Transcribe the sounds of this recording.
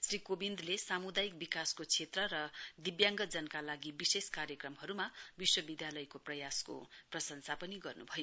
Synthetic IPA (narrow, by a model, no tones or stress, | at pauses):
srikobind̪lesamud̪ajik̚bikaskot͡sʰet̪rʌrʌd̪ibjãŋɡʌd͡zʌnʌkalaɡibiseskaɾjʌkrʌmhʌɾumabiswʌbid̪jalʌjkoprʌjasko̰prʌsʌnsapʌniɡʌrnubʱʌjo